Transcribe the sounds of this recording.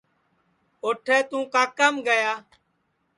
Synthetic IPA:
oːʈʰɛːt̪ũːkaːkəmɡəjaː

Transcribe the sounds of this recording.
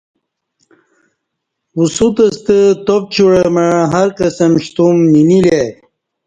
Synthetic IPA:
usut̪ɐst̪ət̪op̚t͡ɕuɽəməɻɦɐɾkɐsɐmɕt̪umːinile

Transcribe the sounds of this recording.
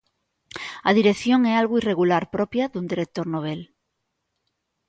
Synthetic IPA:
aðiɾekθjoŋɛalɣoireɣulaɾpɾopjaðund̪iɾek̚t̪oɾnoβ̞el

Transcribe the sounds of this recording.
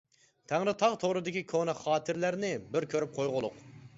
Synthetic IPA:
t̪ʰæŋɾɪt̪ʰɑʁt̪ʰoʁɾɨd̪ɪkʲikʰonɨχɑːt̪ʰɨɾlæɾnɪbɪɾkʲʰøɾyp̚qʰojʁʊlˠʊq

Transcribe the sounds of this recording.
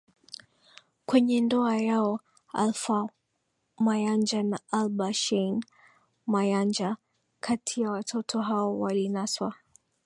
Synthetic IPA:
kwɛɲɛndɔajaɔ | a̰lfa | majand͡ʒanaʔalbaʃɛn | majand͡ʒa | kʰatʰijawatʰɔtʰɔɦaɔwalinaswa̰

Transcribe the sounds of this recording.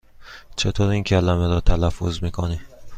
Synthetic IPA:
t͡ʃʰe̞t̪ʰoːɾiːŋcʰælæmeɾɒːt̪ʰælæfːozmiːkʰoni

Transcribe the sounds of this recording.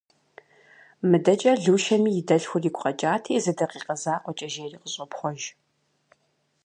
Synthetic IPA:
mɨdɐt͡ʃʼɐɮuːʃɐmiːjɪdɐɬxʷʊriːkʷʼqʼɐt͡ʃʼaːtʰiːzɨdɐqiːqɐzaːqʷɔt͡ʃʼɐʒeːriːqəɕʼɐpχʷɔʒ

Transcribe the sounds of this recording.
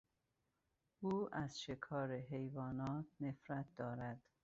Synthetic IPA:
uːʔæzʃe̞kʰɒːɾeɦejvɒːnɒːt̪̚ʰnefɾæt̪̚ʰd̪ɒːɾæd̪̥

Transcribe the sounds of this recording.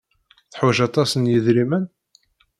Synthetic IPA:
θħuʒɑt̪ˤɑsənjəðɾimən

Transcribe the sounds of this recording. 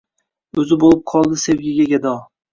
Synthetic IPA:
ɵzɪbolɪp̚qʰɒlˠd̪ɪsewɡʲɪɡʲaɡʲad̪ɒ

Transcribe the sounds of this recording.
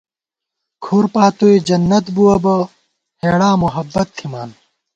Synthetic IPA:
kʰuːɾpaːt̪ued͡ʑɐnːɐt̪buɐbɐ | heːɽaːmuɦɐbːɐt̪ʰːimaːn

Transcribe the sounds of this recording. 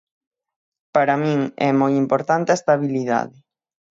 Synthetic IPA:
paɾamĩŋɛ̰mojimpoɾt̪ant̪eaest̪aβiliða̰ðɪ

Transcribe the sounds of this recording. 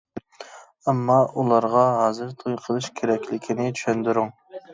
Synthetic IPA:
ɛmːɑulˠɑɾʁɑɦɑːzɨɾt̪ʰojqʰəlˠɨʃkʲʰeɾɛkʲʰlɪkʲʰinɪt͡ʃʰy̥ʃynd̪ɪɾʊŋ

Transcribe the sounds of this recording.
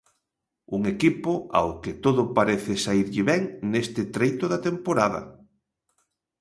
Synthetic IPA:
uŋekipʊa̰wkɪt̪oðʊpaɾeθɪsaiɾʎɪβɛŋnest̪ɪt̪ɾejt̪ʊðat̪empoɾaðɐ̰

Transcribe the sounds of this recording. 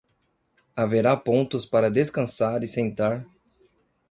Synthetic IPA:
aveɾapõnt̪ʊspaɾɐd̪eskɐ̃saɾɪsẽnt̪aɾ

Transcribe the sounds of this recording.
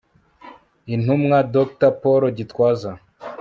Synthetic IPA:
in̥humŋadok̚tapoɾoɟitwaːza

